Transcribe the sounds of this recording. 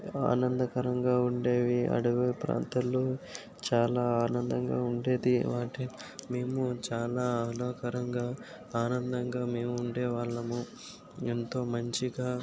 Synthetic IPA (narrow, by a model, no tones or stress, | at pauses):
a̰ːnɐnd̪ɐkɐɾɐŋɡaːuɳɖe̞ːʋiɐ̰ɽuʋɐpɾa̰ːnt̪ɐlːoː | t͡ʃaːlaːaːnɐnd̪ɐŋɡa̰ːuɳɖe̞ːd̪iʋaːʈimeːmut͡ʃaːlaːaloːkɐɾɐŋɡaː | aːnɐnd̪ɐŋɡaːme̞ːmuːɳɖeːʋaːɭːɐmu | int̪o̞ːmɐɲt͡ʃiɡaː